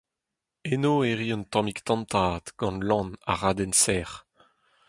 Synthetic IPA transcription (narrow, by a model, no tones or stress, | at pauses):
enoːeʁiɔ̃nt̪ɑ̃mikt̪ɑ̃nt̪aːt̪ɡ̥ɑ̃nlɑ̃na̰ʁaːd̪ɛnsɛːʁ